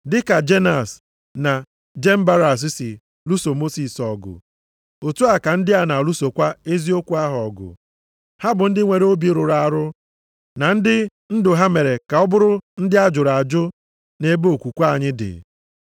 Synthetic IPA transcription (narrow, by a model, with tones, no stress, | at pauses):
dɪ˦ka˨d͡ʒe˦na˨s | na˨ | d͡ʒe˦m̩˦ba˦ɾa˨s̬ɪ˦sɪ˨ | lu˦so˨mo˦si˨sɔ˨ɡʊ̰˨ | o˨tu˦a˨ka˨n̩˦dɪ˦a˨na˨lu˦so˨kʷa˦e˦zi˦o˦kʷu˦a˦ɦɔ˨ɡʊ̰˨ | ha˦bʊ˨n̩˦dɪ˦ŋʷe˨ɾo˦bi˦ɾʊ˨ɾa˨ɾʊ˦ | na˨n̩˦dɪ˦ | n̩˦dʊ˨ɦa˦me˨ɾe˨ka˨ɔ˦bʊ˦ɾʊ˦n̩˦dɪ˦a˦d͡ʒʊ˨ɾa˨d͡ʒʊ˦ | ne˦bo˨kʷu˨kʷa˦˨ɲɪ˦dɪ̰˨